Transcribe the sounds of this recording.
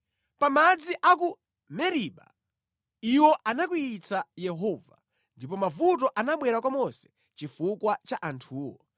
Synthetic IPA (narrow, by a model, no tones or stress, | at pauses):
pamad͡ziʔak̬u | mɛɾiɓa̰ | iwɔʔanak̬uit͡sajɛɦɔːva | ndipɔmavutɔʔanaɓwɛɾakwamɔsɛ̥ | t͡ʃifukwat͡ʃaʔantʰuːwɔ